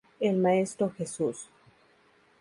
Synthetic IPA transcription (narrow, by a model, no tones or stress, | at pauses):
elmaest̪ɾoxesus